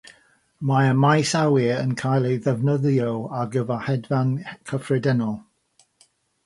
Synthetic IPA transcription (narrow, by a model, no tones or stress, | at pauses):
maəmajsawɪənkʰajlˠejðɛvnəðjɔaɡəvahɛdvankʰəfrɪdənɔlˠ